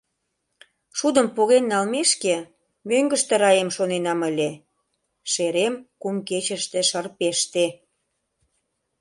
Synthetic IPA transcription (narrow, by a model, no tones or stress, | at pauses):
ʃud̪əmpuɣenːɑlmeʃke | møŋɡəʃt̪eɾɑjemʃonenɑmə̆lʲe | ʃeɾemkumket͡ɕə̆ʃt̪eʃərpeʃt̪e